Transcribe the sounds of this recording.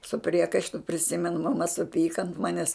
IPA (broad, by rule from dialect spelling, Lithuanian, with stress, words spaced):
sʊ ˈpʲrʲiɛkɐɪʃtʊ pʲrʲɪˈsʲɪmʲɛnʊ mɐˈmɐ sʊˈpʲiːkɐ ɐnt ˈmɑːnʲɛs